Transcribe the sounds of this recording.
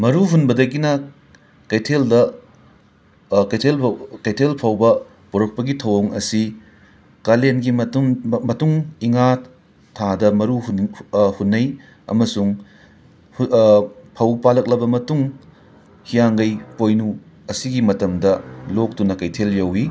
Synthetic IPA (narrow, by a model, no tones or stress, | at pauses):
mɐɾuɦunbɐdɐkinɐ | kɐjtʰeldɐ | kɐjtʰelkɐjtʰelpʰɐwbɐ | puɾɐk̚pɐɡitʰɐwoŋɐ̰si | kɐlenɡi | mɐtuŋiŋa | tʰadɐmɐɾuɦhunːɐj | ɐ̰mɐsuŋ | pʰɐwpalɐk̚lɐbɐmɐtuŋ | hijaŋɡɐjpojnu | ɐsiɡimɐtɐmdɐlok̚tunɐkɐjtʰeljɐwi